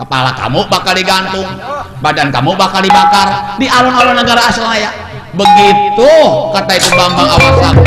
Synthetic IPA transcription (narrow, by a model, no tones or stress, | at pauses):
kəpa̰la̰ka̰mubakaldiɡant̪ʊŋ | badankamubakaldibakardialɔnalɔnːəɡaɾaːsəlajaʔ | bəɡit̪ukərt̪ait̪ubambaŋawasan